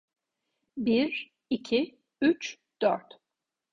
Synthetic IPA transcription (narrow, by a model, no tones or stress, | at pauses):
biɾ | icʰi | yt͡ʃ | d̪̥œ̰ɾt̪